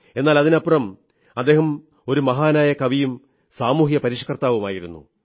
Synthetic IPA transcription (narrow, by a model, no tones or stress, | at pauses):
e̞nːaːlɐðinɐpːrɐm | ɐd̪ːe̞ːɦɐm | o̞ɾumɐɦaːnaːjɐkɐʋijum | saːmuːɦjɐpɐɾiʂɐ̥kɐrt̪aːʋumaːjiɾunːṵ